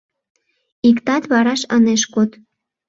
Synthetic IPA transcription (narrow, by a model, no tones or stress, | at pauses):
ikt̪ɑt̪βɑɾɑʃɑneʃkot̪